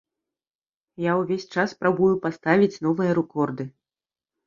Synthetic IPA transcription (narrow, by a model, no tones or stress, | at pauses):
jawvʲesʲt͡ʂaspɾabujupast̪avʲit͡sʲn̪ɔvɨjɐɾɛkɔrd̪ɨ